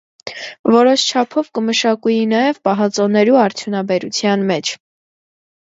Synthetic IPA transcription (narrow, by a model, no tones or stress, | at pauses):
vɔɾɔʃt͡ʃʰɑpʰɔvkəməʃɑkujinɑjɛvpɑɦɑt͡sɔnɛɾuɑɾt͡sʰjunɑbɛɾut͡sʰjɑnmɛt͡ʃʰ